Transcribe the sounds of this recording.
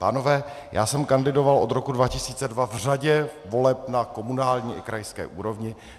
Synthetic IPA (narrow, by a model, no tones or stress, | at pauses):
pa̰ːno̞vɛː | jʔa̰ːsɛmkandɪdo̞valʔo̞d̪ɾo̞kudvacɪsiːt͡sɛdvavr̝aɟɛvo̞lɛpnako̞munaːlɲiːʔɪ̰kɾajskɛ̰ːʔuːɾo̞vɲɪ